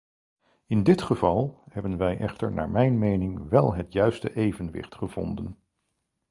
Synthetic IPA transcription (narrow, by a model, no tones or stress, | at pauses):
ɪndɪtχəv̥ɑlˠhɛbənʋɛjʔɛχtə̰ɹna̰ːɹmɛjnmejnɪŋʋɛlˠɦətjœɥstəʔejvənʋɪ̰χtχəv̥ɔ̰ndən